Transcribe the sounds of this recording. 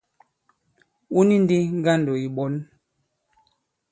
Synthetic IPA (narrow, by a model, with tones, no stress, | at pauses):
u˦ni˦n˦di˦ŋ˦ɡa˦ndo˨i˨ɓɔ˦n